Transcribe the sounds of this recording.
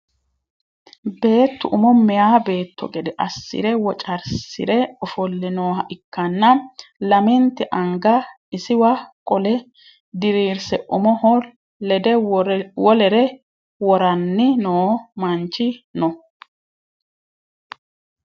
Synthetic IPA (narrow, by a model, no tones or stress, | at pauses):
be̞ːt̪ːʊʔʊmɔmɛjaːbe̞ːt̪ʰːɔ̰ɡɛd̪ɛʔɐsːɪ̰ɾɛwɔt͡ʃʼɐɾsɪ̰ɾɛɔfɔlːɪnoːhɐʔɪkːɐnːɐlɐmɛnt̪ːɪʔɐŋɡɐ | ɪsɪwɐkʼɔlɛ | d̪ɪɾiːɾsɛʔʊmɔ | ɛd̪ɛwɔlɛɾɛ | wɔɾɐnːɪnoːmɐnt͡ʃːɪnɔ